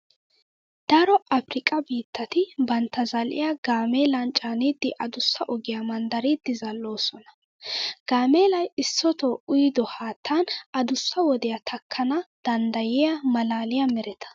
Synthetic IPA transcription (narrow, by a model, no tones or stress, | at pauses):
d̪̥ɐɾɔʔɐfɾɪkʼɐbiːt̪ːɐt̪ɪbɐnt̪ːɐzɐlʔɪ̰jaɡaːmeːlɐnt͡ʃʼaːniːd̪ːɪʔɐd̪ʊsːɐʔɔɡɪjɐmɐnd̪ɐɾiːd̪ːɪzɐlːo̞ːsɔnɐ̥ | ɡ̥aːmeːlɐjɪsːɔt̪ɔʊjd̪ɔhaːt̪ʰːanɐd̪ʊsːɐwɔd̪ɛjɐt̪ʰɐkʰːɐnɐd̪̥ɐnd̪ɐjɪjɐmɐlaːlɪjamɛɾɛt̪ʰɐ̥